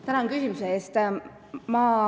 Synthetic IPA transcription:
t̪ænɑnkysimuseeːst̪ | mɑː

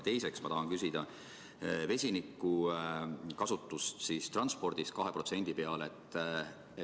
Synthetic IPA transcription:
t̪e̞jse̞ksmɑt̪ɑɦɑnkysʲid̪̥ɑ | ve̞sʲinikːˑu | kɑsut̪ːˑust̪siːst̪rɑnspo̞rd̪̥iskɑɦe̞pro̞t̪se̞nʲd̪̥ipe̞ɑle̞t̪ˑː | e

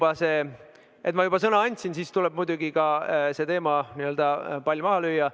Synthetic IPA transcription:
b̥ɑse̞ː | ʔet̪mɑjub̥ɑsɤnɑɑnʲt̪ʲsinsist̪ulɛb̥̚mud̪uɡikɑse̞t̪e̞ːmɑniøld̪̥ɑpɑlʲjumɑɦɑlyjːɑ

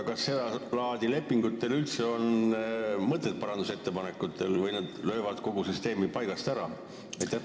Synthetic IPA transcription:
kɑsːe̞d̪ɑlɑːd̪̥ile̞pːiŋɡ̥ut̪ːˑe̞lylt̪se̞o̞n | mɤt̪ːˑet̪̚pɑɾɑnd̪use̞t̪ːe̞pɑne̞kːˑut̪ʰːˑe̞lvɤjnɑd̪̥lø̞ːvɑd̪̥ko̞ɡ̥usyst̪e̞ːmipɑjɡ̥ɑst̪æɾɑ̰ | ɑjt̪ːˑæh

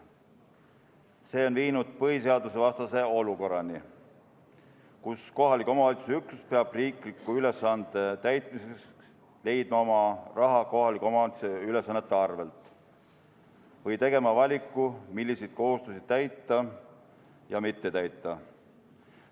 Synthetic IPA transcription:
se̞ːo̞nviːnud̪̥̚pɤɦise̞ɑd̪use̞vɑst̪ɑse̞o̞luko̞rːɑni | kusko̞ɦɑlikːˑo̞mɑoːlit̪suseyksu̥spe̞ɑb̥riːklikːˑuyle̞sːɑnd̪̥et̪æjt̪ˑmisesks | le̞jd̪̥̚mɑo̞mɑrɑɦɑko̞ɦɑlikomɑt̪seyle̞sɑnːe̞t̪ˑːeɑrve̞lt̪ˑ | vɤjt̪e̞ɡ̥e̞mɑvɑlʲikˑːumilʲːised̪̥̚ko̞ɦust̪usid̪̥̚t̪æjt̪ːˑɑ | jɑmit̪ːe̞t̪æjt̪ːˑɑ

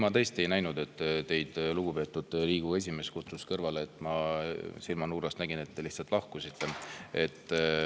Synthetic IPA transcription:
mɑt̪e̞ːst̪ie̞jnæjnud̪e̞t̪ːt̪e̞jd̪̥luɡ̥upe̞ːt̪ːˑud̪̥ɾiːɡ̥ue̞s̬ʲime̞skut̪suskɤrvɑleːt̪ːˑmɑsilmɑnuːɾɑst̪næɡine̞t̪ːe̞liht̪sɑlt̪ˑlɑhkusit̪ːe̞e̞t̪ː

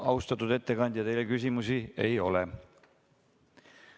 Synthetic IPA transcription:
ɑust̪ɑt̪ːud̪̥e̞t̪ːe̞kɑnd̪̥jɑt̪e̞jlekys̬ʲimusie̞jo̞le

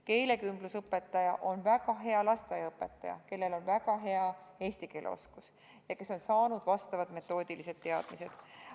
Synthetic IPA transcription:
ke̞jle̞kymblusɤpːˑe̞t̪ːˑɑjɑʔo̞nvæɡ̥ɑɦe̞ɑlɑst̪ɑjɑɤpːˑe̞t̪ːˑɑjɑ̰ke̞lːe̞lo̞nvæɡ̥ɑɦe̞ɑe̞ːsʲt̪ike̞ːlʔḛo̰skus | jɑke̞so̞nsɑːnud̪̥vɑst̪ɑvɑd̪me̞t̪ːˑo̞ːd̪̥ilise̞d̪̥̚t̪e̞ɑd̪̥mise̞d̪̥

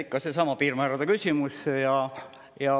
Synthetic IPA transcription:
ikːɑsesɑmɑpiːrmæːɾɑd̪̥ekysʲimusejɑ | jɑ

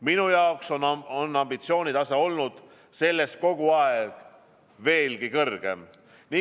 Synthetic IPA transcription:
minujɑokso̞nonːɑmb̥it̪sio̞ːnʲid̪ɑseo̞lnud̪̥ | se̞lːe̞st̪̚ko̞ɡ̥uɑeeɡ̥ | ve̞ːlɡ̥ikɤrɡ̥e̞̰m | ni

